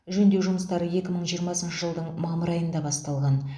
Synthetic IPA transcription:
ʒɵnd̪e̞wʒʊməst̪ɑɾəje̞kʲɪməɴʒijəɾmɑsənʃəʒəlˠd̪əɴmɑməɾɑjənd̪ɑbɑst̪ɑlˠʁɑn

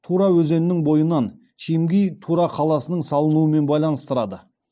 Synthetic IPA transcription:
t̪ʰuɾɑwɵze̞nɪnɪŋbo̞jənɑn | ʃʰemɡʲejt̪ʰuɾɑqʰɑlˠɑsənəɴsɑlˠənuəme̞nbɑjlˠɑnəst̪əɾɑd̪ə

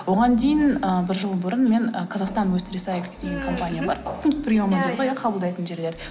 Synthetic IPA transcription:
wo̞ʁɑnd̪e̞jɪnəbɪɾʒəlˠbʊɾənme̞ŋəqʰɑzɑqst̪ɑnwɵst̪ɾisajlkʲed̪eɡʲeŋkʰo̞mpanʲijabɑɾpʰʊŋk̚t̪̚pʰɪɾijomənd̪əlˠʁəjəqʰɑbəlˠd̪ɑjt̪ənʒe̞ɾle̞ɾ

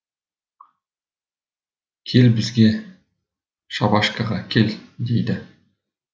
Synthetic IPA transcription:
kʲʰe̞lbɪzɡʲe̞ | ʃɑbɑʃkɑʁɑkʲʰe̞ld̪e̞jd̪ɪ

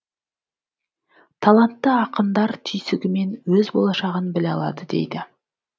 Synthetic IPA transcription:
t̪ʰɑlˠant̪ːəɑqənd̪ɑɾt̪ʰʏjsɪɡʲɪme̞nwɵzbo̞̰lˠɑʃɑʁənbɪlɑlˠɑ̰d̪əd̪e̞̰jd̪ɪ

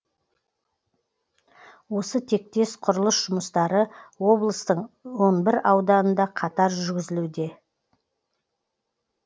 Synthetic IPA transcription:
wo̞sət̪ʰe̞k̚t̪e̞sqʰʊɾəlˠəsʒ̥ʊməst̪ɑɾəwo̞blˠəst̪əɴwo̞nbɪɾɑwd̪ɑnənd̪ɑqʰɑt̪ɑɾʒʏɾɡʲɪzɪlud̪e̞

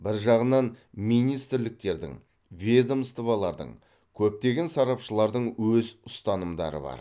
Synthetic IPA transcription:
bɪɾʒɑʁənɑnmijnijst̪ɪɾlɪk̚t̪e̞ɾd̪ɪ̰ŋ | vʲed̪omst̪ʰuvɑlˠɑɾd̪ə̰ɴ | kʲʰɵp̚t̪e̞ɡʲe̞nsɑɾɑpʃəlˠɑɾd̪əɴwɵzʊst̪ɑnəmd̪ɑ̰ɾə̰bɑ̰ɾ

